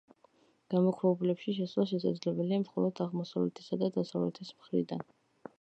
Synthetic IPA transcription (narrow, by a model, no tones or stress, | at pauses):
ɡ̥amɔkʰɾɛvɛbulɛpʃiʃɛsvlˠaʃ̬ɛs̬ad̪zlɛbɛliamχɔlˠɔd̪aʁmɔsavlɛt̪ʰɛ̥sad̪ad̪asavlɛ̰t̪ʰɛsmχɾḭd̪an